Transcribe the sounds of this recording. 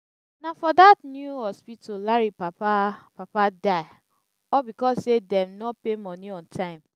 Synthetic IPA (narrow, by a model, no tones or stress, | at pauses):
nafɔdatnjuɔspitolaɹipaapapadaɪ | ɔbikɔsːedɛ̃mnɔpemɔniɔ̃ntʰãɪ̃m